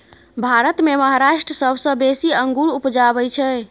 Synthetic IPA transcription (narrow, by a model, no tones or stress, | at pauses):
bʱaɾət̪meməɦaɾaʃʈɾəsəbʱsə̃besiəŋɡuɾupd͡ʒabɛt͡ʃʰɛ